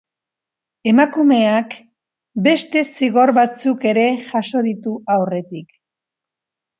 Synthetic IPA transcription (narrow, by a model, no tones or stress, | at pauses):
e̞makume̞ak | be̞st̪e̞siɣo̞ɾβat͡suke̞ɾe̞ʝaso̞ðit̪uawre̞t̪ik